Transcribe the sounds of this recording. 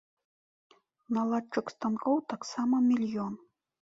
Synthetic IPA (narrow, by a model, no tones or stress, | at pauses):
nalˠat͡ʂɨkst̪ankɔwt̪aksamɐmʲilʲjɔn